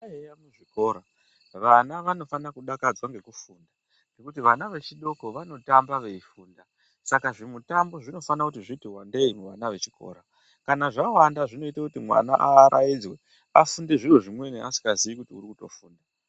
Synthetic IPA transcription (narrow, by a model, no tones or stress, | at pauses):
aejamuʐiko̞ːɾa | ʋanaʋano̞fanakuɗakad͡zwaŋɡe̞kufunda | ne̞kutiʋanaʋe̞t͡ʃiɗo̞ko̞ʋano̞tambaʋe̞ifuːnda | sakaʐimutambo̞ʐino̞fanakutiʐitiwande̞imuʋa̰naʋe̞t͡ʃi̥kʰo̞̰ːɾa | kanaʐawandaʐino̞itakutimwa̰na̰ʔaːɾʔajid͡zwe | afundeʐiruʐimwe̞neʔasi̥kazijikutiuɾikuto̞fuːnda